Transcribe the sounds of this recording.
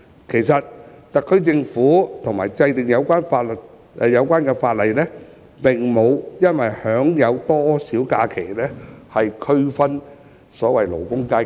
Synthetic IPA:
kʰe˨˩jsɐ˨t̚t̪ɐ˨kʰːɵ˥ɥt͡sɪ˧ŋfuː˨˥t̪ʰʊ˨˩ŋmaː˨˩jt͡sɐ˧jt̪ɪ˨˩ŋjɐ˨˧wkʷaː˥nfaː˧t̚lɵ˨˩t̚ | ʔɛ˨˧jɐ˨˧wkʷaː˥nkɛː˧faː˧t̚lɐ˨˩jlɛː˥ | pɪ˨ŋmo˨˧wjɐ˥nwɐ˨jhœː˨˥ŋjɐ˨˧wt̪ɔː˥siː˨˥wkaː˧kʰe˨˩jlɛː˥hɐ˨jkʰɵ˥ɥfɐ˥n | sɔː˨˥wɐ˨jlo̰˨˩wkʊ˥ŋkaː˥

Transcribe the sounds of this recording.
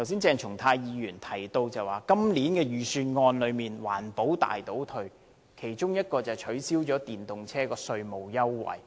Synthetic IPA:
t̪ʰwsiː˥nt͡sɛː˧ŋt͡ʃʰʊ˨˩ŋt̪ʰaː˧jːiː˨˧jyː˨˩nt̪ʰɐ˨˩jt̪o˧wt͡sɐ˨˩waː˨˩kɐ˥mliː˨˥nkɛː˧jyː˨syː˧nŋɔː˧nlɵ˨˧miː˨nwa̰ː˨˩npo˨˥wt̪a̰ː˨jt̪o˨˥wt̪ʰɵ˧ɥ | kʰe˨˩jt͡ʃʊ˥ŋjɐ˥t̚kɔː˧t͡sɐ˨˩wt͡ʃʰɵ˨˥ɥsiː˥wt͡ʃɔː˨˥t̪iː˨nt̪ʊ˨ŋt͡sʰɛː˥kɔː˧sɵ˧ɥmo˨wjɐ˥wːɐ̰˨˩j

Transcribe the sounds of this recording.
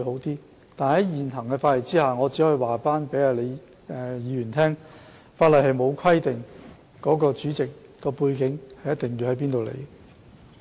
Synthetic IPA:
ɦo˨˥wt̪iː˥ | t̪aː˨nhɐ˨˥jjiː˨nhɐ˨˩ŋkɛ˧faː˧t̚le˨˩t͡siː˥haː˨ŋɔː˨˧t͡siː˨˥hɵ˨˧jwaː˨˩faː˥npe˨˥jaː˧˩le˨˧j | ɛ˨˧jiː˨˧ɥyː˨˩nt̪ʰɛː˥ŋ | faː˧tlɐ˨jhɐ˨jmo˨˧wkʷʰɐ˥jt̪ɪ˨˩ŋ | kɔː˨˥kɔː˧t͡ʃyː˨˥t͡sɪ˨kː | ɔː˧puː˧jkɪ˨˥ŋhɐ˨jɐ˥t̪̚ɪ˨ŋji˧whɐ˨˥jp̬iː˥nt̪o˨wlḛ˨˧j

